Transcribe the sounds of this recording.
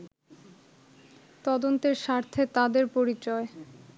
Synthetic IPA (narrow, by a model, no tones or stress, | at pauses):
t̪ɔd̪ont̪eɾʃaɾt̪ʰet̪ad̪eɾpoɾit͡ɕɔe